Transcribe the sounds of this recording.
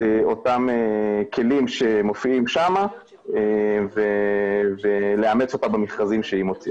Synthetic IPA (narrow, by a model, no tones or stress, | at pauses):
eo̞tamekʰe̞limʃe̞mo̞fiimʃama | evevele̞amet͡so̞t̪abemeχkazimʃehimot͡si